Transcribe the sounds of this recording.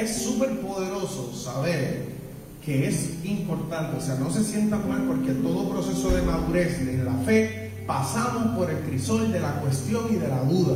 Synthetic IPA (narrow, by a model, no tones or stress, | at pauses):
esːupe̞ɾpo̞ðe̞ɾo̞so̞saβ̞e̞ɾ | ke̞esimpo̞ɾt̪ãnt̪e̞ose̞ano̞se̞sje̞nt̪amalpo̞ɾke̞t̪o̞ðo̞pɾo̞se̞so̞ðe̞maðuɾe̞seðelafe̞ | pasamospo̞ɾe̞lkɾiso̞ld̪e̞lakwe̞st̪jo̞ŋiðe̞laðuða